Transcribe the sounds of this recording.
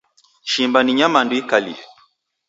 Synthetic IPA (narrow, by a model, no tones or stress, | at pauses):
ʃimbaniɲamanduikalḭɛ